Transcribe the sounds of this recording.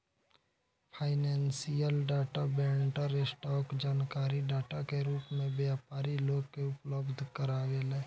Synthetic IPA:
pʰaːɪneːnsijəlɖaːʈabẽːɳʈəɾesʈɔːkd͡ʒaːnkaːɾiɖaːʈakeɾuːpmẽbjaːpaːɾiloːɡkeʊpləbd̪ʱkəɾaːʋeleː

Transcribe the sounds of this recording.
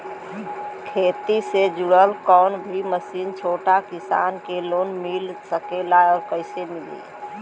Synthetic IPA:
kʰet̪ised͡ʒuɽəlkɔnbʱiməsint͡ʃʰoʈakisa̰nkelonmilsəkelaeɔːɾkəɪsemilḭ

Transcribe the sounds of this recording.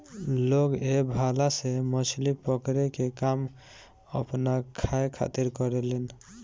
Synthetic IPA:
loɡebʱalasemɔt͡ʃʰlipɔkɾekekam | ɔpnakʰːajkʰa̰t̪iɾkɔɾɛlɛn

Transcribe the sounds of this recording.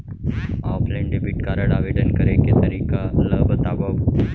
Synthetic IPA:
aːpʰlẽɳɖebiʈkaɾəɽaʋeɖənkəɾeket̪əɾiːkaləbət̪aːbab

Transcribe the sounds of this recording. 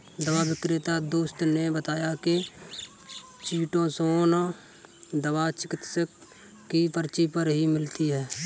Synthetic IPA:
d̪əbabɪkɾɪt̪ad̪oːst̪nebət̪aːjake | t͡ʃiːʈõsoːn | d̪əbat͡ʃɪkɪt̪səkː | ipəɾt͡ʃipəɾɦimɪlt̪iɦɛː

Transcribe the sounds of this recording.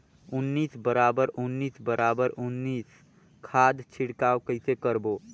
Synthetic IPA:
ʊnːiːsbəɾaːbəɾʊnːiːsbəɾʔaːbəɾʊnːiːs | kʰaːd̪t͡ʃʰɪɽkaːwkəɦɪsekəɾboː

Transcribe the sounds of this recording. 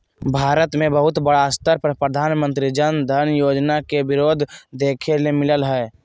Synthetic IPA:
bʱaːɾət̪mẽbəɦʊt̪bəɽast̪əɾpɾəpɾəd̪ʱaːnmə̃nt̪ɾid͡ʒənd̪ʱəɾnjoːd͡ʒnakebɪɾoːd̪ʱd̪eːkʰelemɪləlɦɛː

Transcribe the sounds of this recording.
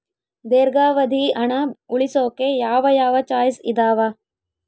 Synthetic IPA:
d̪eːɾɡaːʋɐd̪ʱiɐɳɐuɭisoːkejaːʋɐjaːʋɐt͡ʃaːjsḭd̪aːʋɐ

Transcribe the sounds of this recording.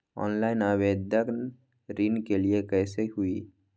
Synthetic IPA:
ɔ̰ːnlaːɪnabeːd̪jək | ɾinkeliekɛːseɦʊi

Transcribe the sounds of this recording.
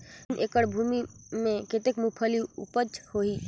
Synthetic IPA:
nʔekəɽbʱumimeket̪ekmupʰəliṵpət͡ʃhoɦi

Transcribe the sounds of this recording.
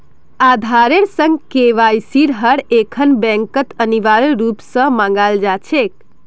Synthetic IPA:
ad̪ʱaɾeɾsə̃ŋɡkeʋajsiɾɦəɽekʰənbɛ̃ŋkət̪əniʋaɾɾupsə̃mãŋɡald͡ʒat͡ʃʰek

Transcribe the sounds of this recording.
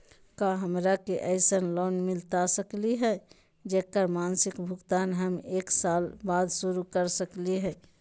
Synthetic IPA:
kaɦəmɾakeʔɛɪsənlɔːnmɪlt̪asəkliɦɛ | d͡ʒekəɾmansɪkbʱʊɡt̪aːnɦəmeːksaːlbad̪suɾukəɾsəkliɦɛː

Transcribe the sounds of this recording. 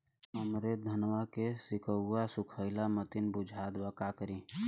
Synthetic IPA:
ɦəmɾed̪ʱənwakesɪkʰəʊːasʊkʰəɪlamət̪ɪnbʊd͡ʒʱaːd̪bəkakəɾĩ

